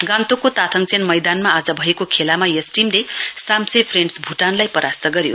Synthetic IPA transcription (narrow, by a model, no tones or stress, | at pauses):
ɡãnt̪okot̪at̪ʰʌŋt͡sʰenmʌjd̪anmaːd͡zʌbʱʌekokʰelamajʌsʈimlesamsepʰreɳɖsbʱuʈanlajpʌɾast̪ʌɡʌɾjo̰